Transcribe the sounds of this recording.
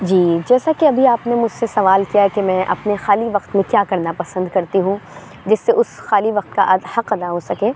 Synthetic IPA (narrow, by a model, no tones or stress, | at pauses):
d͡ʒiːd͡ʒɛːsakeɐbʱiaːpnemʊd͡ʒʱsesɐʋaːlkijaɦɛkemɛ̃ːʔɐ̰pnexaːliʋɐqt̪mẽkjaːkɐɾnapɐsə̃nd̪kɐɾt̪iɦũ | d͡ʒɪsːeʊsxaːliʋɐq̚t̪̚kaʔɐd̪hɐqɐd̪aɦosɐkẽː